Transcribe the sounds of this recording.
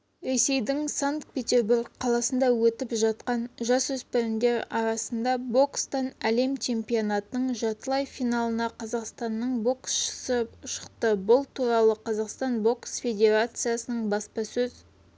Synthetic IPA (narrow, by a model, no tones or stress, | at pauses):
ɾe̞se̞jd̪ɪŋsaŋk̚pʲe̞t̪ʲe̞rburɡqʰɑlˠɑsənd̪ɑwɵt̪ɪpʒɑt̪qɑnʒɑsɵspɪɾɪnd̪e̞ɾɑɾɑsənd̪ɑbo̞kst̪ɑnæle̞mt͡ʃʰe̞mpʲio̞nɑt̪ənəɴʒɑt̪əlˠɑjfijnɑlˠənɑqʰɑzɑqst̪ɑnːəɴbo̞ksʃə̥səʊʃə̥qt̪əbʊlˠt̪ʰuɾɑlˠəqʰɑzɑqst̪ɑnbo̞ksfʲe̞dʲe̞ɾat̪sɨjasənəɴbɑspɑsɵz